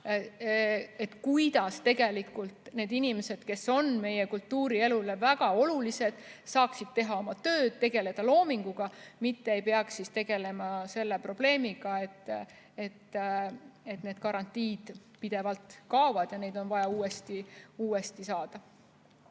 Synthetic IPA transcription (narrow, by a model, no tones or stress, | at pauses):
e̞t̪ːkujd̪̥ɑst̪e̞ɡe̞likˑult̪ne̞ːd̪inime̞se̞d̪̥ke̞so̞nme̞je̞kult̪ːuːɾie̞lule̞væɡ̥ɑo̞lulise̞d̪̥sɑːksid̪̚t̪e̞ɦɑo̞mɑt̪ø̞ːd̪̥̚t̪e̞ɡe̞le̞d̪̥ɑlo̞ːmiŋɡ̥uɡ̥ɑmit̪ːee̞jpeɑksist̪e̞ɡ̥e̞le̞mɑse̞lːe̞pro̞b̥le̞ːmiɡ̥ɑe̞t̪ːˑ | et̪ː | e̞t̪ne̞ːd̪̥kɑɾɑnt̪ːˑiːd̪̥pid̪̥e̞vɑlt̪kɑovɑd̪̥jɑne̞jd̪̥o̞nvɑjɑuːest̪iuːe̞st̪isɑːd̪̥ɑ